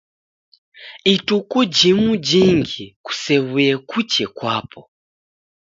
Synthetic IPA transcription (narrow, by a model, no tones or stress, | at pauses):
itukud͡ʒimud͡ʒiŋɡiku̥sɛwujɛkut͡ʃɛkwa̰ːpʰɔ